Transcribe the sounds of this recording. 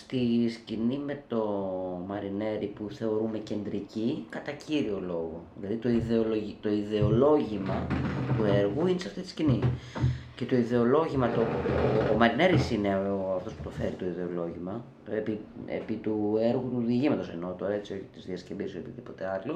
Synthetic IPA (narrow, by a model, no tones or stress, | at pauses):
st̪iscinime̞t̪o̞mɐɾine̞ɾipuθe̞o̞ɾume̞ce̞nd̪ɾicikɐt̪ɐcʰiɾio̞lo̞ɣo̞ðilɐðit̪o̞iðe̞o̞loʝit̪o̞iðe̞o̞lo̞ʝimɐt̪ue̞ɾɣuinesɐft̪it̪iscini | ce̞t̪o̞iðe̞o̞lo̞ʝimɐt̪oomɐɾine̞ɾisineoɐft̪o̞spu̥t̪ofe̞ɾit̪o̞iðe̞o̞lo̞ʝimɐ | epiḛpit̪ue̞ɾɣut̪uðiʝimɐt̪o̞seno̞t̪o̞ɾɐet͡sio̞çit̪izðiɐscebisoepiðipo̞t̪e̞ɐlo